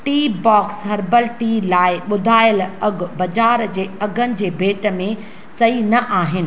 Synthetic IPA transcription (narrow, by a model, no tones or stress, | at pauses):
ʈiːbɔːksɦɐɾbəlʈiːlaːɪɓʊd̪ʱaːɪəlɐɡʱʊ̆bɐd͡ʑaːɾd͡ʑeːɐɡʱənɪ̆d͡ʑeːbʱeːʈmẽ | sɐɦinɐʔaːɦɪnɪ̆